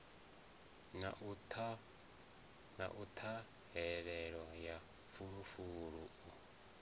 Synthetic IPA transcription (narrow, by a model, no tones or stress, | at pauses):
natʰ | na̰ʔut̪ʰa | ɦɛɺɛɺwaja | fuɺufuɺuu